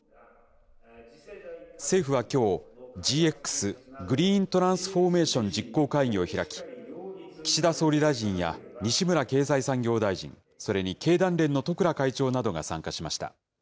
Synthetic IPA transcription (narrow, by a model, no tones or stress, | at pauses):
se̞ːɸɯ̟βakʲo̞ːd͡ʑiːe̞kːɯ̥sɨɡɯ̟ɾʲiːnt̪o̞ɾãɰ̃sɨ̥ɸo̞ːme̞ːɕõ̞ɲd͡ʑikːo̞ːkaiɲ̟io̞çiɾakʲi̥ | kʲi̥ɕid̪aso̞ːɾʲid̪aiʑĩɰ̃ja̰ɲ̟iɕimɯ̟ɾake̞ːzaisãŋɡʲo̞ːd̪aiʑḭ̃ŋ | so̞ɾe̞ɲ̟ike̞ːd̪ãnɾẽ̞nːo̞t̪o̞kɯ̟ɾakait͡ɕo̞ːnad̪o̞ɡa̰sã̰ŋkaɕimaɕi̥t̪a̰